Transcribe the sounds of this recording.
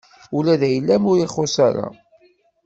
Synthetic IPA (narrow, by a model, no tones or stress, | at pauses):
ulæðæjəlːæmʊɾiχosaɾa̰